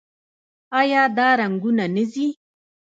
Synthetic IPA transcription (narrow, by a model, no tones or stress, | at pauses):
ɑjɑd̪ɑɾaŋɡunanəzi